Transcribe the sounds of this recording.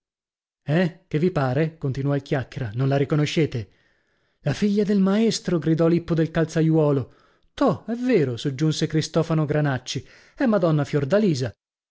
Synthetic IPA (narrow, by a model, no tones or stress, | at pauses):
ɛk̟evːipaːɾekont̪inuɔilkjakːeɾanõnlaɾikonoʃːeːt̪e | lafiʎːad̪elmaest̪ɾoɡɾid̪ɔlipːod̪elkalt̪sajwɔːlo | t̪ɔɛvːeːɾosod͡ʒːunsekɾist̪ɔːfanoɡɾanat͡ʃːi | ɛmːad̪ɔnːafjord̪aliːza